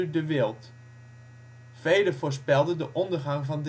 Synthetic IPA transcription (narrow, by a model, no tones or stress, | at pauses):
dəʋɪːlˠt | fejdəvʊːɹs̬pɛlˠdəndəʔɔndəɹχɑŋvɑnd